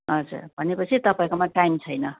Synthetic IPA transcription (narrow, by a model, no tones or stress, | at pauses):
ʌd͡zṵrbʱʌnepʌt͡sʰit̪ʌpaẽkomaʈajmt͡sʰʌjnʌ